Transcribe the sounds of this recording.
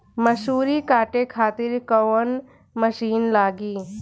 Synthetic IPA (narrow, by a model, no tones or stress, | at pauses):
məʃuːɾikaːʈekʰaːt̪ɪɾkəʋən | məʃiːnlaːɡiː